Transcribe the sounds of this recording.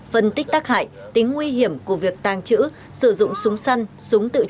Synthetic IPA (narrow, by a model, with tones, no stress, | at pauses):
fə˧˩nt̪ï˦˥k̟̚t̪aː˦˥k̚ha̰ː˧˨jt̪ï˨˦ŋ̟ːwi˧ɦi˧˩əmku˧˩əvi˨˩ək̚t̪aː˨˩ŋt͡ɕɨ̰˧˥ | sɨ˧˩zʊ̰˧˨ŋ͡msʊ˨˦ŋ͡msa˧jnsʊ˨˦ŋ͡mt̪ɨ̰˧˨